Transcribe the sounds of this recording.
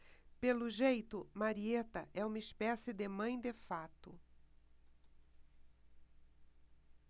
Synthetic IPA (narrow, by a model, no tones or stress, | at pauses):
pelʊʒejt̪ʊmaɾiet̪ɐʔɛũmɐispɛsɪd̪emɐ̃j̃d̪efat̪ʊ